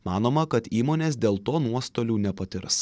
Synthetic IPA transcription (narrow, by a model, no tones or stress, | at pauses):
mɑːnoːmɐkɐt̪iːmoːnʲeːs̬d̪ʲeːlˠt̪oːnuɔst̪oːlʲuːnʲɛpɐt̪ʲɪɾs